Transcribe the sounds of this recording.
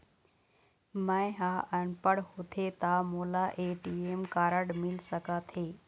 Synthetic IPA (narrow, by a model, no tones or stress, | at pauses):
mə̃ɪ̃ɦaːʔənpəɽhot̪ʰet̪aːmoːlaʔeːʈiːeːmkaːɾəɽmɪlsəkaːt̪ʰeː